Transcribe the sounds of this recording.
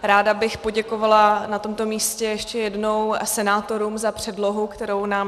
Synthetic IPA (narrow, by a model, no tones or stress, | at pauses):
ɾaːdabɪxpo̞ɟɛko̞valanat̪o̞mt̪o̞miːscɛjɛʃcɛjɛdno̞wsɛnaːt̪o̞ɾuːmzapr̥ɛdlo̞ɦukt̪ɛɾo̞wnaːm